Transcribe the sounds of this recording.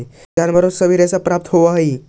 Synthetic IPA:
d͡ʑanbəɾosəʋiɾasapɾap̚t̪ɦoʋaɦi

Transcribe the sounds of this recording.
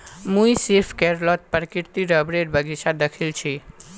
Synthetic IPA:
muiseɾfʰkɛɾlɔt̪̚pəɾkiɾt̪iɾəbɾeɖbəɡiʃad̪əkʰilt͡ʃʰi

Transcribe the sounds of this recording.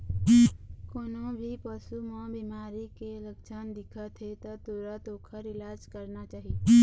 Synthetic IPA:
koːnõbʱipəsumɔ̃biːmaːɾikeləkt͡ʃʰand̪ɪkʰat̪ʰet̪at̪oːɾat̪oːkʰəɾɪlaːd͡ʒkəɾnat͡ʃaːɦie

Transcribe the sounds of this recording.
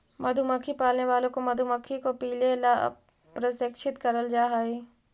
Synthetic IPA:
mɐd̪ʱuməkʰipaːlneʋaːlõkomɐd̪ʱuməkʰikopiːlela̰ | pɾɐsɪkʃɪt̪kɐɾəld͡ʒaːɦai

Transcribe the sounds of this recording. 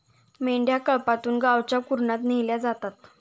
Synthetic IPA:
meɳɖjakəɭpat̪uːnɡaʋt͡ɕjakuɾɳat̪nejljad͡zat̪at̪

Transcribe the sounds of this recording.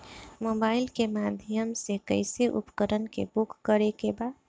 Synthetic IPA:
mobaːɪlkemad̪ʱijəmsekəɪseʔṵpkəɾənkḛbukːəɾekeba

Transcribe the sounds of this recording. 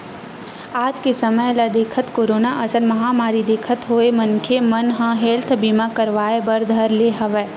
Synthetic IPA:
aːd͡ʒkesəməjlad̪eːkʰət̪koːɾoːnaʔɐsəɾmɐɦaːmaːɾid̪eːkʰət̪ɦoːemɐnkʰemɐnɦãɦeːlt̪ʰbimãkɐɾʋaːebɐɾd̪ʱəɾleɦɐʋɛː

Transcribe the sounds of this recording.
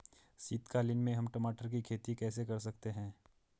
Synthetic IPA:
siːt̪kalɪnmẽɦɐmʈɐmaːʈəɾk̬ikʰeːt̪ikɛːsekɐɾs̬ɐkt̪eɦɛ̃ː

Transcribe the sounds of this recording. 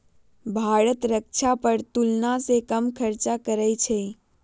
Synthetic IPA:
bʱaɾət̪ɾək̚t͡ʃʰapəɾt̪ulnasekəmkʰəɾt͡ʃakəɾəjt͡ʃʰɛ

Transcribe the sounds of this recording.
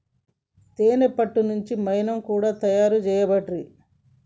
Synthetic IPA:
t̪eːnepːɐʈːunuɲt͡ʃimɐjnɐmkuːɽaːt̪ɐjaːɾut͡ʃɛːjɐbɐʈɾi

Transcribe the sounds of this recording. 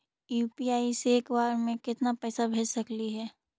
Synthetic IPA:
juːpiaːiseːkbaːɾmẽkɪt̪napɛːsabʱeːd͡ʒsɐkliɦɛː

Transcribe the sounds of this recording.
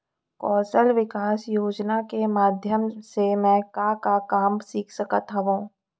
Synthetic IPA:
kɔːsəlʋɪkaːsjoːd͡ʒnakemaːd̪ʱjəmsemɛ̃kakakaːmsiːkʰsɐkət̪ɦaʋũː

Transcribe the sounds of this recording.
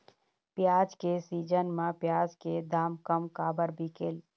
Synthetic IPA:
pjaːd͡ʒkesiːd͡ʒənmãpjaːd͡ʒked̪aːmkəmkaːbəɾbʱikeːl

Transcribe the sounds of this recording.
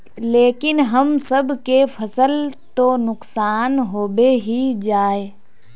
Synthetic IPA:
leːkɪnɦɐmsəbʱkefʰɐsəlt̪onʊksaːnɦoːbeɦid͡ʒaːe

